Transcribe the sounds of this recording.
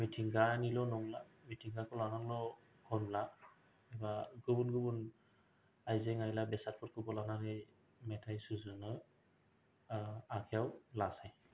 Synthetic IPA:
mitʰiŋɡanilɔnɔŋlamitʰiŋɡakʰɔlanaŋlɔ | kʰɔnla | ɛbaɡɯbunɡɯbun | ajzɛŋajlabɛsat̚kʰɔt̚kʰubɔlanaɾɯ | mɛtʰajsuzɔnɯ | akʰɛawlasaj

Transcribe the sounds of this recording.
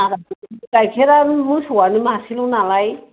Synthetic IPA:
aɾakajkʰɛɾamujsuwanumaːsilʊ̃nalaj

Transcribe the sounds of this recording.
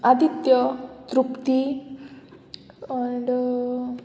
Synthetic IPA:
ad̪ʱit̪jɔt̪ɾupt̪i | aɳɖ

